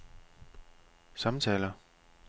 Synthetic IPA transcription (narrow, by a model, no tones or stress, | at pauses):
sɑ̈mt͡sʰɛ̰ːlɐ